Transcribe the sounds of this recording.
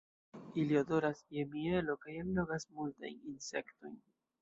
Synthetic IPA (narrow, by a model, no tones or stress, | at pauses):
iliodo̞ɾasjemielo̞kajanloɡasmulta̰jninse̞kto̰jn